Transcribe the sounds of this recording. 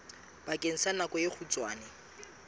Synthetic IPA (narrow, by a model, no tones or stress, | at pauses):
b̥akʼen̩sanakɔjeχʰut͡sʼwaːnɛ